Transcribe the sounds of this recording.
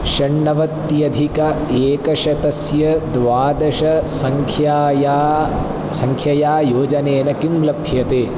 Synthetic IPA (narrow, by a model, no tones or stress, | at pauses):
ʃɐɳːɐʋɐt̪jɐd̪ʱikɐeːkɐʃɐt̪ɐsjɐd̪ʋaːd̪ɐʃɐsɐŋkʰjaːjaː | sɐŋkʰjɐjaːjoːd͡ʒɐneːnɐkimlɐbʰʱjɐt̪eː